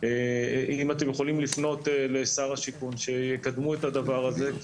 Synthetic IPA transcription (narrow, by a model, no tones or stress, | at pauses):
ʔimat̪emjeχolimlifno̞t̪ele̞saʁaʃikunʃe̞jekad̪muet̪ad̪avaʁaze̞